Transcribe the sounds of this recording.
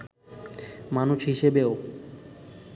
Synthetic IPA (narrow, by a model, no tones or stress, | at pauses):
manuʃɦiʃebeo